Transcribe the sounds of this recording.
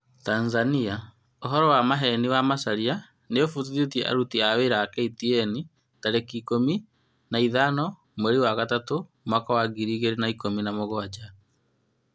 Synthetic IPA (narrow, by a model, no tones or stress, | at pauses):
tanzania | oɦɔɾɔwamaɦɛniwamasaɾia | neofut̬uðiotiɛʔa̰ɾutiaweɾakɛitiɛni | taɾekikomi | naiðanɔ | meɾiwaɣatato | makɔwaɡiɾiːɣeɾenaikominamoɣwad͡ʒa